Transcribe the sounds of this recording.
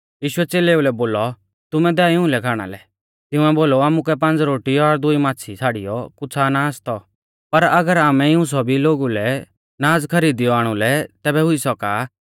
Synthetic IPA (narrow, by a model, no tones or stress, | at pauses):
jiːʃʊɛt͡seːleːulɛboːlɔ | t̪ʊmɛd̪ɛaɪʊ̃lɛkʰaːɽ̃a̰lɛ̰ | t̪ɪʊ̃ɛboːloaːmʊkɛpɐ̃nd͡zɾoːʈiɔɾd̪ʊimaːt͡sʰit͡sʰaːɽḭjɔkʊt͡sʰanaːst̪ɔ | pɐɾɐɡəɾaːmɛɪũs̬ɔbiloːɡulɛ | naːd͡zkʰɐɾiːd̪ɪjɔaːɽ̃ulɛt̪ɛːbɛɦʊisɔkaː